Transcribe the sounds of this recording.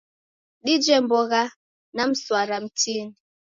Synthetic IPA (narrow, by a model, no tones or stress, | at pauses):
ɗid͡ʒɛmbɔɣa | nam̩swaɾam̩tini